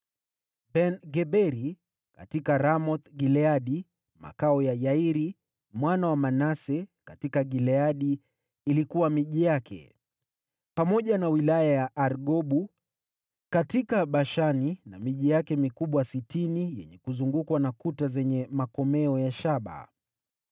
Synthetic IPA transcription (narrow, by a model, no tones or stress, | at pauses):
bɛnɡɛɓɛɾi | katikaɾamɔt̪ɡilɛaɗi | ma̰kaɔjajaiɾi | mwanawamanasɛkatikaɡilɛaɗiː | likuwamiʄijakʰɛ̰ | pamɔʄanawilajajaʔːɾɡɔɓu | katikaɓaʃaninamiʄijakɛmikuɓwasitinijɛ̰ɲɛkuzuŋɡukwanakutazɛɲɛmakɔmɛɔjaʃaɓa̰